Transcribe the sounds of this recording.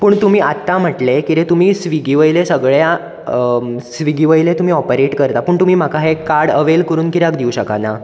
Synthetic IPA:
pəːɳt̪um̤iːat̪ːam̤əʈlekit̪ẽt̪um̤iːsʋiɡiʋəjlesəɡɭja | sʋiɡiʋəjlet̪um̤iːɔpəɾeʈkəɾt̪apəːɳt̪um̤iːm̤akaɦekaɾɽəʋelkəɾuːnkiɾakd̪iwɕəkana

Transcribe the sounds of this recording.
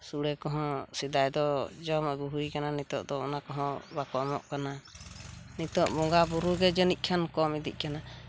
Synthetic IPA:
suɽɛkɔɦɔ̃sid̪ajd̪ɔd͡ʒɔmɔɡuɦujkananit̪ɔʔd̪ɔɔnakɔɦɔ̃bakɔmɔʔkana | nit̪ɔʔbɔŋɡabuɾuɡɛd͡ʒənic̚ˀkʰankɔmid̪ḭc̚ˀkana

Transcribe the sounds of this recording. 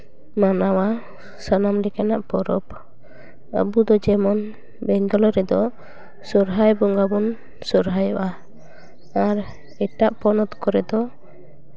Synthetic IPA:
manawa | sanamlikanaʔpɔɾɔp | ə̰bud̪ɔd͡ʒɛmɔn | bɛŋɡɔlɔɾɛd̪ɔ | sɔɾɦajbɔŋɡabɔn | sɔɾɦajɔʔa | aɾ | ɛʈaʔpɔnɔt̪kɔɾɛd̪ɔ

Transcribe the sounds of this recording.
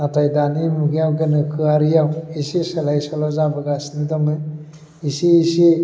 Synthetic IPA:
atajdanimuɡijawɡɐnɯkʰɯaɾijawisisɐlajsɔlazabɯɡasnɯdamɯ | isiːsi

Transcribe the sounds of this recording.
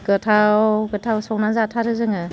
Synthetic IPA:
ɡ̥ɯtʰawɡɯtʰawsɔknazatʰaɾɯzɯŋɯ

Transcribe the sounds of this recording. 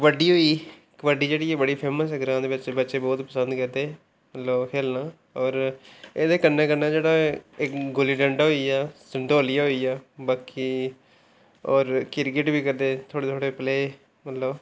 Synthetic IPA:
ʋəɖiːɦoːiː | kʋəɖiːd͡ʒeːɽiːebəɽiːpʰeːməsɪɡɾãːd̪eːʋɪt͡ʃbətːʃeːbɔːt̪pəsənd̪kəd̪eː | mət̪ləkʰeːlnaː | ɔːɾeːd̪eːkənːẽːkəɾnaːd͡ʒeːɽaːɪkɡoliːɖə̃ɳɖaːɦoːiːaːsəɳɖ̪oːlɪjaːɦoːiːaːbaːkːiː | ɔːɾkɪɾɡɪʈbiːkəɾd̪eːt̪ʰoːɽeːt̪ʰoːɽeːpleː | mət̪ləb

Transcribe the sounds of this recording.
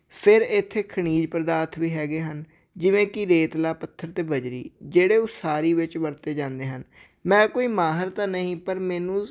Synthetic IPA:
pʰɪɾɪt̪ʰːeːkʰəɽ̃iːd͡ʒpəɾəd̪aːt̪ʰʋiːɦɛːɡeːɦən | d͡ʒɪʋẽːkɪɾeːt̪laːpət̪ʰːəɾt̪eːbəd͡ʒɾḭːd͡ʒeːɽeːosaːɾiːʋɪt͡ʃʋəɾt̪eːd͡ʒãːnd̪eːɦən | mɛ̃ːkoːiːmaːɦəɾt̪ãːnəɦĩːpəɾmɛːnũː

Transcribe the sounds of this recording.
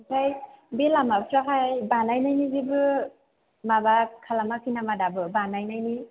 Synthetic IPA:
tajbelamabʰɾaɦʰajbanajnajnizibɯ | mabakʰalamakʰinamadabɯbanajnajni

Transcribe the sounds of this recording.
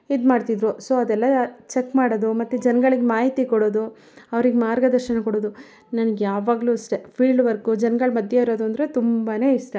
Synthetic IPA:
id̪maːɖt̪id̪ɾusoːɐd̪ɛlːɐt͡ʃekːmaːɽoːd̪umɐt̪ːud͡ʒɛnɐɡɐɭiɡemaːɦit̪ikɔɽoːd̪u | ɐʋɾiɡemaːɾɡɐd̪ɐɾʃɐnɐkɔɽoːd̪u | nɐnɐɡjaːʋaːɡluːsʈepʰiːɭɖʋɐɾkud͡ʒɛnɡɐɭmɐd̪jɐiɾo̞ːd̪uɐnd̪ɾet̪umbane̞ːiʂʈe

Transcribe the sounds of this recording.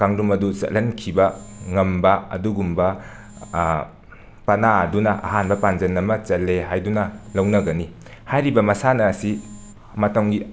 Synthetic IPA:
kaŋdumɐdusɐ̰tlːɐnkʰibɐŋɐmbɐɐ̰duɡumbɐ | pɐnaɐdunɐʔɐ̰ɦanbɐpand͡ʒɐnɐmɐt͡ʃɐlːeɦajdunɐlɐwnɐɡɐnihajɾibɐmɐsanɐːsi | mɐtɐŋɡi

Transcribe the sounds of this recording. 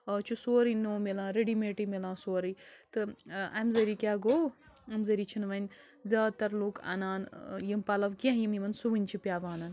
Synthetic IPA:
t͡ʃʰusoːɾinoːmelãːɾeɖimeːʈimelãːsoːɾit̪ɨɐmzɐɾikʲaːɡoː | ɐmzɐɾit͡ʃʰinʋɐnʲ | zʲaːt̪ɐɾluːkɐ̰naːnjimpɐlɐʋkʲãɦjimjimɐnsuʋɨnʲt͡ʃʰipʲjaːʋaːnɐn

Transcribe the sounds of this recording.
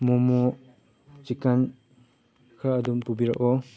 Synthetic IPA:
mɔmɔ | t͡ʃikaɲ | kʰaːdumpubiɾa̰ʔɔ

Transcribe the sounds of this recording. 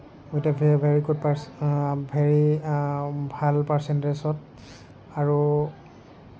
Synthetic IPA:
ɡotavbʱeɹikud̚pasbʱɛɹi | bʱalpasɛntɹesɔt̚ | aɹu

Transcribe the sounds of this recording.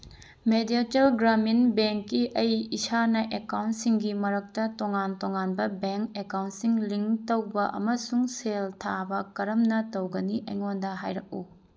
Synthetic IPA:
medietelɡɾaminbeŋkːiʔɐjisanɐʔekawntsiŋɡimɐɾɐk̚tɐtoŋantoŋanbɐbeŋkekawntsiŋliŋtɐwbɐʔɐ̰mɐsuŋseltʰabɐkɐɾɐmnɐtɐwɡɐniʔɐ̰jŋondɐɦa̰jɾɐk̚u

